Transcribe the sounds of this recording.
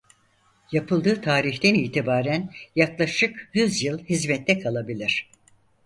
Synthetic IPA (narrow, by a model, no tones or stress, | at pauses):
japʰɯlˠd̪ɯːt̪ʰaːɾiçt̪ɛniːt̪ʰibaːɾænjaklˠaʃɯkjyzjɯlˠhizmɛt̪ʰːɛkʰalˠabilʲiɾ̥